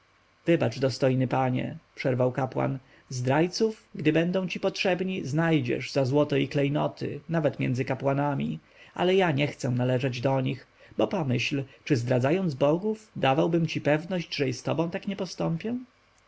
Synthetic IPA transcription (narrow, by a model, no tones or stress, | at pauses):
vɘbat͡ʂd̪ɔst̪ɔjnɘpaɲɛ̰pʂɛɾvawkapwa̰n | zd̪ɾajt̪sufɡd̪ɘbɛnd̪ɔ̃w̃t͡ɕipɔtʂɛbɲiznajd͡ʑɛ̰ʐzazwɔt̪ɔiklɛjnɔt̪ʰɪ̰navɛt̪mʲjɛ̰nd̪zɘkapwanamʲḭ | a̰lɛjaɲɛxt̪sɛ̃nalɛʐɛd͡ʑd̪ɔɲix | bɔpɔmɘɕlt͡ʂɘzd̪ɾad̪zajɔnd̪zbɔɡuvd̪avawbɘmt͡ɕipɛvnɔʑd͡ʑʐɛjist̪ɔbɔ̃w̃t̪akɲɛpɔst̪ɔmpʲjɛ̃